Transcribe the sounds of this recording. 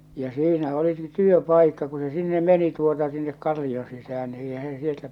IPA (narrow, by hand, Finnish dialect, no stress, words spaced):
jæ siːnæ oliki tyøpɑikːɑ ku se sinːe meni tuotɑ sinːek kɑlːion sisæh̞æn ni eihæ se sieltæ